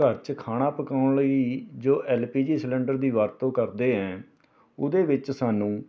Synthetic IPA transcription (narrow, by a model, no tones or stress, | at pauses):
kəɾt͡ʃkʰaːɽ̃aːpəkaːʊɳləiːd͡ʒoːʔɛːlpiːd͡ʒiːslɛ̃ːɳɖəɾd̪iːʋaːɾt̪õːkəɾd̪eːɦɛ̃ː | ʊd̪eːʋɪt͡ʃsaːnũː